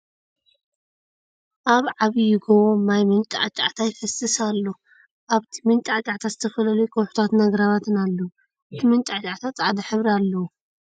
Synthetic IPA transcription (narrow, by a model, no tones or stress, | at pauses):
ʔaβʕaβijɪɡoβomːajmɨnt̪ʼa̰ʕt͡ʃʼa̰ʕt̪ʰajfɐsɨsalːo | ʔaβt̪ʰi̥mɨnt̪ʼaʕt͡ʃʼaʕt̪ʰazɨt̪ʰɐfɐlɐlujkʰʼowħu̥t̪ʰat̪nɐɡɾaβat̪ʰɨnalːɐwu | ɨt̪ʰimɨnt͡ʃ̪ʼat͡ʃʼaʕt̪ʰat̪t͡sʼaʕd̪ɐħɨβɾalːɐwu